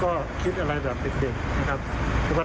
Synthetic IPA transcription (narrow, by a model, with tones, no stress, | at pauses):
kɔː˥˩ | kʰi˦˥t̪̚ʔa˧ɾa˧jbɛː˨˩p̚e˧nt͡ɕe˨˧˩ŋna˦˥kʰa˦˥p̚ʰɯː˧waː˥˩